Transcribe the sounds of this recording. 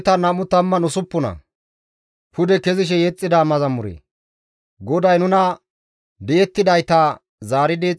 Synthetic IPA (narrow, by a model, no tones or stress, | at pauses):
t̪ɐnɐmʊt̪ɐmːɐnʊsʊpːʊnɐ̰ | pʊd̪ɛkɛzɪʃ̬ɛjɛt͡sʼːɪd̪aːmɐzɐmʊɾḛː | ɡɔd̪ɐjnʊnɐ | d̪ɛʔɛt̪ːɪd̪ɐjt̪ɐ | zaːɾɪd̪ɪ